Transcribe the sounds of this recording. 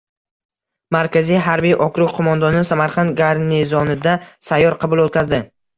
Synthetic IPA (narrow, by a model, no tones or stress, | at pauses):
maɾkʲʰazijɦaɾbijʔɒkɾʊqʰomɒnd̪ɒnɪsamaɾqʰɑnd̪ɡʲaɾnɪzɒnɪd̪asajːɒɾqʰɑbʊlˠot̪̚kʲazd̪ɪ